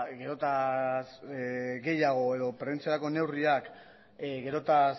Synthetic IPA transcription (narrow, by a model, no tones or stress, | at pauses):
ɡe̞ɾo̞t̪asɡe̞jaɣ̞o̞e̞ðo̞pɾeent͡sieɾako̞ne̞wriak | ɣe̞ɾo̞t̪a